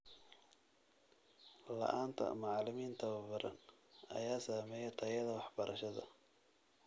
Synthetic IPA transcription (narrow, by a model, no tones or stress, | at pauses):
lɐ̰ʔaːnt̪ʰɐ̰mɑʕlɪmiːnt̪ʰɐβɐbɐɾʔɐ̰nɐ̰jaːsaːmɛːjɛt̪ʰɑjɐðɐwɑħbɐɾʔɐʃɐðɐ̰